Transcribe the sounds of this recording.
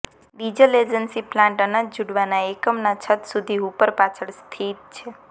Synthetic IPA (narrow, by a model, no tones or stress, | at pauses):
ɖid͡ʒəled͡ʒənsiplãɳʈənə̃d͡ʒuɽʋanaekəmnat͡ʃʰət̪sud̪ʱiupəɾpat͡ʃʰəɭst̪ʰit̪̚t͡ʃʰe